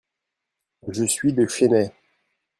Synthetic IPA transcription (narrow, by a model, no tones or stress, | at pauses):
ʒəsɥid̪əʃenɛ